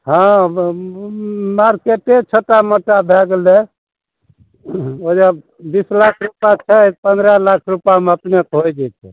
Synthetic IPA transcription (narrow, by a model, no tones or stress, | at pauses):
ɦã | maɾkeʈet͡ʃʰoʈaməʈabʱɛɡle | od͡ʒa | bislakʰɾupat͡ʃʰət̪pənd̪ɾalakʰɾupjameəpnekɦojd͡ʒɛj̪t͡ʃʰɛ̰